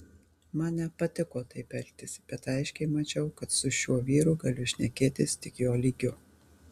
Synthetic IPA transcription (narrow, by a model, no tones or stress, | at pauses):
mɑnnʲɛpɐt̪ʲɪkoːt̪ɐɪpʲɛlʲt̪ʲɪsʲb̥ʲɛt̪ɐɪʃʲkʲɛɪmɐt͡ʃʲɛʊkɐt̪sʊʃʲuɔʋʲiːɾʊɡɐlʲʊʃʲnʲɛkʲeːt̪ʲɪst̪ʲɪkjoːlʲiːɡʲʊ